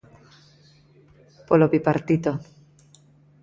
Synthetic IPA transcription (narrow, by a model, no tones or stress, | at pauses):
poloβipaɾt̪it̪o